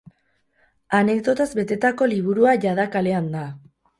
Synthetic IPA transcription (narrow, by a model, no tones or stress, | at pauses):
ane̞k̚d̪o̞t̪azbe̞t̪e̞t̪ako̞liβ̞uɾuaʝað̞akale̞and̪a